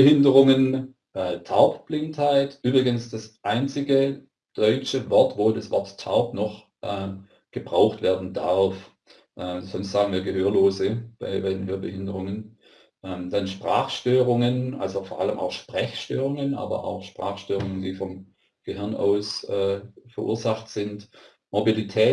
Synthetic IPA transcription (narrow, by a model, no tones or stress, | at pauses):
əhɪndəʁʊŋən | ʔɛːtʰaʊpb̥lɪnthaɪtʔyːbʁɪɡənsd̥asʔaɪnt͡sɪɡə | d̥ɔʏt͡ʃəvɔɐtv̥oːdasv̥ɔɐtʰːaʊpnɔχ | ʔɛː | ɡ̥əbʁaʊxtv̥ɛːɐdn̩daʁf | ʔɛz̥ɔnstz̥aːɡŋ̩viːɐɡəɦøːɐloːzəb̥a̰ɪbaɪdnɦøːɐbəɦɪndəʁʊŋən | ʔɛːmd̥anʃpʁ̥aːχʃtøːʁʊŋənʔa̰lzofɔɐʔaləmʔa̰ʊxʃpʁ̥ɛçʃtøːʁʊŋənʔa̰ːbɐ̰ʔa̰ʊxʃpʁ̥a̰ːxʃtøːʁʊŋəndiːfɔm | ɡ̥əɦɪɐna̰ʊsʔɛːfɛɐʔṵːɐzaxtz̥ɪnt | mobilitʰɛː